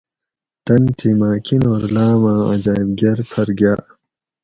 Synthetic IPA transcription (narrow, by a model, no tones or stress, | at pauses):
t̪ɐnt̪ʰimaːkinoːɾlaːmãːɐ̰d͡ʑaːibɡɐɾpʰɐɾɡjaː